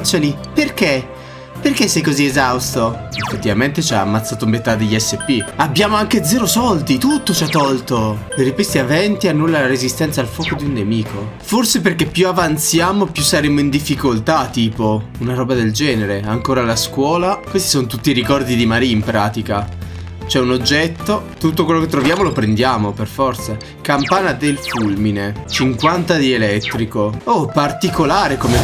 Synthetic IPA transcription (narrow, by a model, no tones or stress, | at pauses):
soːniperk̟e | perkesːɛjkoziezawst̪oefːet̪ːivament̪et͡ʃaa̰mːat̪sːaːt̪oumet̪ad̪ːeʎːiɛsːepːiabːjaːmoaŋked̪zɛːɾosɔld̪it̪ut̪ːot͡ʃat̪ːɔlt̪opeɾipwest̪iavɛnt̪ianːulːalaɾezist̪ɛnt̪saːlfwɔːkod̪iunːemiːko | forseperkepːjuavant̪sjaːmopjusːaɾemoind̪ifːikolt̪at̪ːiːpounaɾɔːbad̪eld͡ʒɛːneɾeaŋkoːɾalaskwɔːlakwest̪i̥sont̪ut̪ːiɾikɔrd̪id̪imaɾiimpɾaːt̪ika | t͡ʃoɛunod͡ʒːɛt̪ːot̪ut̪ːokwelːok̬et̪ːɾovjaːmolopɾend̪jaːmoperfɔrt̪sa | kampaːnad̪elfulminet͡ʃiŋkwant̪ad̪ielɛt̪ːɾikoopart̪ikolaːɾekome